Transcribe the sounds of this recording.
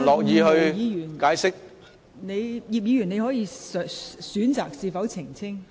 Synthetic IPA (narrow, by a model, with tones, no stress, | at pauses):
lɔː˨k̚jiː˨˧hɵ˧ɥjiː˨˧jyː˨˩nkaː˨˥jsɪ˥k̚ | ne˨˧jjiː˨˧p̚jiː˧jyː˨˩ne˨˧jhɔː˨˥jiː˧sœ˨syː˨˥nt͡saː˨k̚siː˨˧fɐ˨˥wt͡sʰɪ˨˩ŋt͡sʰɪ˥ŋ